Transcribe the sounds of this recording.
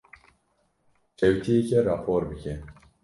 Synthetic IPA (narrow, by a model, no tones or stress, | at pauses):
t͡ʃɛwt̪ʰijekɛɾɑːpʰoːɾbɨkʰɛ